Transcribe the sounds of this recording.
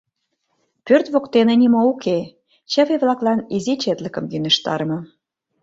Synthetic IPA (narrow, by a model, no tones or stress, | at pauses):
pørt̪βokt̪enenʲimoukʰe | t͡ɕəβeβlɑklɑnizit͡ɕet̪lə̆kə̆mɡynə̆ʃt̪ɑ̰ɾmɤ̆